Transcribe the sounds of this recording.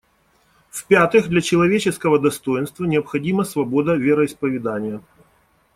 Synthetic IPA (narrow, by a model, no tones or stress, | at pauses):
fʲpʲat̪ɨxd̪lʲɐt͡ɕɪlˠɐvʲet͡ɕɪskəvəd̪ɐst̪o̞jɪnst̪vənʲɪəpxɐdʲiməsvɐbo̞d̪əvʲeɾəɪspəvʲɪd̪anʲɪjə